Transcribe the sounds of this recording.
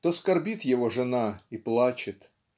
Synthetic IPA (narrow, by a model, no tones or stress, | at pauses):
t̪oskɐrbʲit̪jɪvoʐɨnaiplˠat͡ɕɪt̪